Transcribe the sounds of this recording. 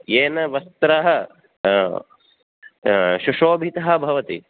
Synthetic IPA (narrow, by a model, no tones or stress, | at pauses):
eːnɐʋɐst̪ɾaɦɐ | ʃuʂoːbʱit̪ɐɦɐ̆bʱɐʋɐt̪ḭ